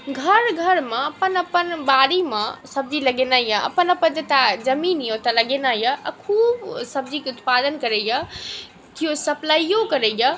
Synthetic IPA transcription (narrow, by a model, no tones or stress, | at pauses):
ɡʱəɾɡʱəɾmẽəpənəpənbaɾimãsəb̚d͡ʒiləɡenaijəə̰pənəpənd͡ʒet̪ad͡ʒəminjot̪ələɡenajəʔkʰuːbsəb̚d͡ʒʱikeʊt̪pad̪ənkəɾəjə | k̪ijosəplaijokəɾəjə